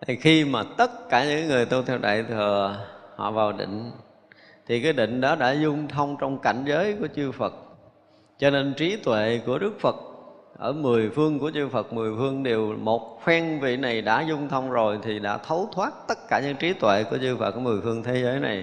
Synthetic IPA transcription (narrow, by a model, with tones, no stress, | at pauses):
t̪ʰi˨˩xi˧maː˨˩t̪ə˦˥t̚kaː˧˩ɲɨ̰˧˥kaː˨˦jŋɨ˨˩əjt̪u˧wt̪ʰɛ˧wɗa̰ː˧˨jt̪ʰəː˨˩hɔ̰˧˨vaː˨˩wɗḭ˧˨ŋ̟ | t̪ʰi˨˩kaː˨˦jɗḭ˧˨ŋ̟ɗɔ˨˦ɗa̰ː˧˥zʊ˧ŋ͡mt̪ʰə˧wŋ͡mt͡ɕɔ˧wŋ͡mka˧˩jŋ̟zəː˨˦jku˧˩ət͡ɕɨ˧fə˨˩t̚ | t͡ɕɔ˧ne˧nt͡ɕi˨˦t̪wḛ˧˨ku˧˩əɗɨ˦˥ək̚fə˨˩t̚ | ʔəː˧˩mɨ˨˩əjfɨ˧əŋku˧˩ət͡ɕɨ˧fə˨˩k̚mɨ˨˩əjfɨ˧əŋɗe˨˩wmo˨˩t̚xwɛ˧ŋvḭ˧˨na˨˩jɗa̰ː˧˥zʊ˧ŋ͡mt̪ʰə˧wŋ͡mzo˨˩jt̪ʰi˨˩ɗa̰ː˧˥t̪ʰə˨˦wt̪ʰwaː˦˥t̚t̪ə˦˥t̚kaː˧˩ɲɨ̰˧˥ŋt͡ɕi˨˦t̪wḛ˧˨ku˧˩ət͡ɕɨ˧fə̰˨˩k̚ːmɨ˨˩əjfɨ˧əŋt̪ʰe˨˦zəː˨˦jna̰˨˩j